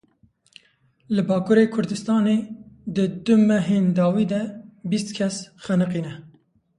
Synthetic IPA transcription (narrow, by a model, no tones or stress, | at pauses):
lɨbɑːkʰuːɾekʰʊɾd̪ɨst̪ɑːneːd̪ɨd̪ʊmɛɦeːnd̪ɑːwiːd̪ɛbist̪kʰɛsxænɨq̬iːnɛ